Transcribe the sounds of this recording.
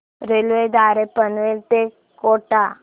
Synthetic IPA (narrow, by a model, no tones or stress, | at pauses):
ɾelʋed̪aɾepənʋelt̪e | koʈa